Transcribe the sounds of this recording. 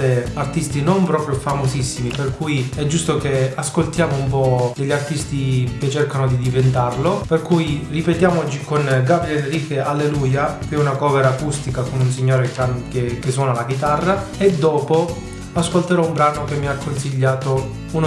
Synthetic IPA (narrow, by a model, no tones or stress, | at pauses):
eart̪ist̪inompɾɔːpɾjofamosisːimiperkujiɛd͡ʒːust̪okeaskolt̪jaːmoumpɔd̪eʎːart̪ist̪iket͡ʃːerkanod̪id̪ivent̪arloperkujripet̪jaːmot͡ʃikonɡabɾiɛnriːkeʔalːeluːjakeɛunakɔːveɾaːkust̪ikakonuns̬iɲːoːɾekankekesːwɔːnalaɡit̪arːaed̪ːɔːpo | askolt̪eɾɔumbɾaːnokemːiakʰːonsiʎːaːt̪o | un